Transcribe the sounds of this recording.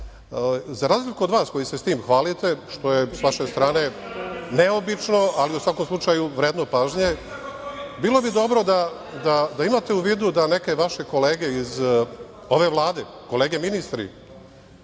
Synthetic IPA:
zaɾaːzlikuod̪ʋaːskojisest̪iːmxʋaːlit̪e̞ʃt̪o̞je̞sʋaʃe̞st̪ɾaːne̞ne̞obit͡ʃno̞aliusʋako̞mslˠut͡ʃajuʋɾeːd̪no̞paːʒɲe̞ | bilo̞bid̪o̞bɾo̞d̪a | d̪ad̪aimaːt̪e̞uʋiːd̪ud̪ane̞ke̞ʋaʃe̞ko̞le̞ːɡe̞iz | o̞ʋe̞ʋlˠaːd̪e̞ko̞le̞ːɡe̞minist̪ɾḭ

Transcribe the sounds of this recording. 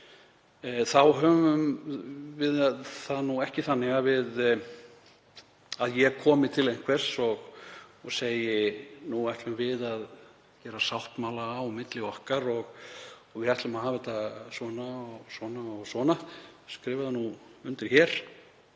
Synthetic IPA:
θawɦœːvʏm | vɪðaðθanuɛhcɪθanːɪɣavɪð | aðjɛkʰɔːmɪt̪ʰɪlejn̥kʰvɛr̥sɔɣɔɣseːjɪnuajht̪lʏmvɪðað | cɛːɾasawht̪maːwlaːwmɪt̪lɪɔhkaɾɔɣɣvɪðaht̪lʏmaɦaːvɪt̪ʰasɔnaɔɣsɔːnaɔɣsɔːnaskɾɪːvaðanuʏnt̪ɪɾ̥çɛɾ̥

